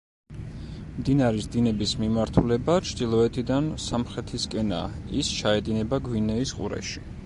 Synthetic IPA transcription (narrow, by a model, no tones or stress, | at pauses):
md̪inaɾisd̪inɛbismimaɾt̪ʰulɛbat͡ʃʰd̪ilˠɔɛt̪ʰid̪ansamχɾɛt̪ʰiskʼɛna̰ist͡ʃʰaɛd̪inɛbaɡwinɛisqʼṵɾɛ̰ʃi̥